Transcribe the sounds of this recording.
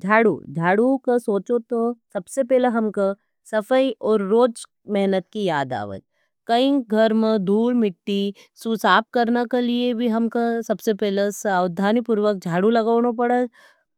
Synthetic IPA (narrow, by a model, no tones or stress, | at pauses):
d͡ʒʱaːɽṵd͡ʒʱaːɽukasoːt͡ʃot̪osɐbsepɛːleɦɐmka | sɐfəiʔɔːɾːoːd͡ʒ | mɛɦnət̪̚kijaːd̪a̰ːʋə̰t̪̚ | kɐĩɡʱɐɾmẽd̪ʱuːlmɪʈːi | susaːp̚kɐɾnakeliebʱiɦɐmkasɐbsepɛːlesad̪ʱːaːnipʊɾʋək̚d͡ʒʱaːɽulɐɡaːnop̬ɐɽə